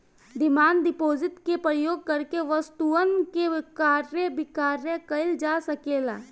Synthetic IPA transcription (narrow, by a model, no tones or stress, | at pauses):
d̪ɪmaːnd̪ɪpoːd͡ʒɪt̪kepɾəjoːɡ̚kəɾkeʋəst̪uənkekaːɾjəbɪkaːɾjəkəɪld͡ʒaːsɐkeːlaː